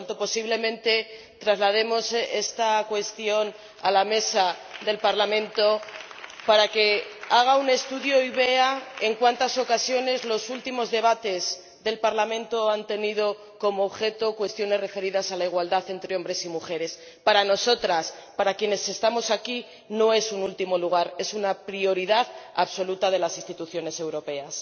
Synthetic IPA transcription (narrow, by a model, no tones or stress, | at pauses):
nt̪opo̞siβle̞mẽ̞nt̪e̞ | t̪ɾazlað̞e̞mo̞se̞̰st̪akwe̞st̪jo̞n | alame̞saðe̞lpaɾlamẽnt̪o̞paɾake̞aɣ̞aune̞st̪uðjo̞iβ̞e̞ae̞ŋkwant̪aso̞kasjo̞ne̞zlo̞sult̪imo̞zðe̞β̞at̪e̞z | ðe̞lpaɾlamẽnt̪o̞ant̪e̞nið̞o̞ | ko̞mo̞ːβxe̞t̪o̞kwe̞st̪jo̞ne̞zre̞fe̞ɾiðasalaiɣwald̪aθe̞nt̪ɾeo̞mbɾe̞simuxe̞ɾe̞s | paɾano̞so̞t̪ɾaspaɾakje̞ne̞se̞st̪amo̞saki | no̞e̞sunult̪imo̞luɣ̞aɾe̞sunapɾio̞ɾiðaðaβso̞lut̪að̞e̞lasinst̪it̪uθjo̞ne̞se̞wɾo̞pe̞as